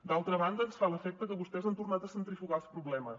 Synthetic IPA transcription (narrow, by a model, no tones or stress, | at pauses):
d̪alˠt̪ɾəβand̪əsfaləfɛk̚t̪əkəβust̪ɛzant̪urnat̪əsənt̪ɾifikalˠspɾuβlɛməs